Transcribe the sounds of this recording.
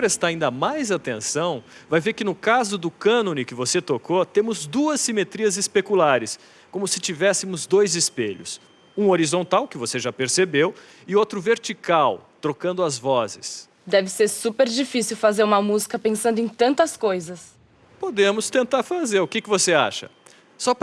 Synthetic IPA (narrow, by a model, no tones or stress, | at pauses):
pɾest̪aɾaĩnd̪ɐmajzat̪ẽsɐ̃w̃vajveɾkɪnʊkazʊd̪ʊkɐ̃nõnɪkɪvoset̪okot̪ẽmʊzd̪uɐsːimet̪ɾiɐzɪspekulaɾɪs | kõmʊsɪ̥t͡ʃivɛsɪmʊzd̪ojzɪspeʎʊ̰s | ũoɾizõnt̪awkɪvoseʒapeɾsebew | ɪot̪ɾʊveɾt͡ʃikawt̪ɾokɐ̃nd̪ʊɐzvɔzɪs | d̪ɛvɪseɾsupeɾd͡ʒifisiwfazeɾũmɐmuzikɐpẽsɐ̃nd̪ʊẽt̪ɐ̃nt̪ɐskojzɐs | pod̪ẽmʊst̪ẽnt̪aɾfazeɾʊkɪkɪvosea̰ʃɐ̰ | sɔp